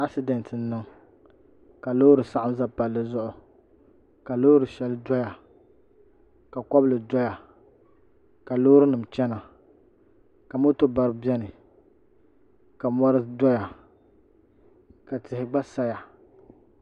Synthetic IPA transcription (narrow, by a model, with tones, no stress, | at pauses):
a˦ksi˦dɛ˨ntɨ˨n̩˦nɨ˦ŋ | ka˨loː˦ɾɨ˨sa˦ʔa˦mza˦pa˨lːɨ˨zʊ˦ʔʊ˨ | ka˨lo˦ɾɨ˨ʃɛ˦lɨ˦dɔ˦ja˨ | ka˨kɔ˦blɨ˨dɔ˦ja˨ | ka˨lo˦ɾɨ˦nɨ˨m˨t͡ʃɛ˦na˨ | ka˨mʊ˦tʊ˦ba˨ɾɨ˦bi˦ɛ˦nɨ˨ | ka˨mɔ˦ɾɨ˦dɔ˦ja˨ | ka˨tɪ˨hɪ˨ɡ͡ba˦sa˦ja˨